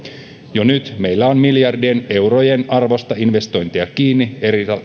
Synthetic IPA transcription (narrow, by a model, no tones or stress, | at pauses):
jonyt̪me̞jlːæo̞nmiljɑrdiene̞wɾo̞je̞nɑrʋo̞st̪ɑinʋe̞st̪o̞jnt̪iɑkiːnːie̞ɾiɑ